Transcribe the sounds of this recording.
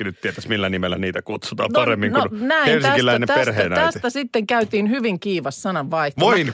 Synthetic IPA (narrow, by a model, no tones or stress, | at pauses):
nytt̪t̪iet̪æsmilːænimelːˑæniːt̪ækut̪sut̪ɑ̰ːmnɑremːiŋkounnæienst̪iækilæinemperheːnɑæsit̪æsit̪ːeŋkæyt̪iːnhyʋiŋkiːʋɑssɑnɑʋʋɑihtʋoin